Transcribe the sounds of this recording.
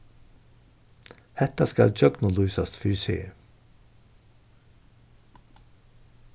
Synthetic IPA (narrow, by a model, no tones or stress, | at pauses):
hɛt̪askɑ̰ld͡ʒœɡnʊluːsɑst̪fʏɾsḛː